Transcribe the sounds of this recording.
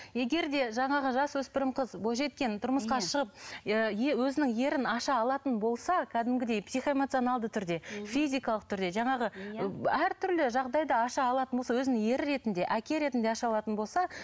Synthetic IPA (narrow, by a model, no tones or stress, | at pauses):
je̞ɡʲe̞ɾd̪e̞ʒɑɴɑʁəʒɑswɵspɪɾɪmqʰəzboʒe̞t̪kʲe̞nt̪ʰʊɾməsqɑʃəʁəp̚əewɵzɪnɪŋje̞ɾɪnɑʃɑːlˠɑt̪ənbo̞lˠsɑkʲʰæd̪ɪmɡʲɪd̪e̞jpsijχoemot̪sionɑlˠd̪ət̪ʰʏɾd̪e̞fizijkɑlˠəq̚t̪ʰʏɾd̪e̞ʒɑɴɑʁə | æɾt̪ʰʏɾlɪʒɑʁd̪ɑjd̪ɑɑʃɑːlˠɑt̪ənbolˠsɑwɵzɪnɪŋje̞ɾɪɾe̞t̪ɪnd̪e̞ʔækʲe̞ɾe̞t̪ɪnd̪eɑʃɑɑlˠɑt̪ənbo̞lˠsɑ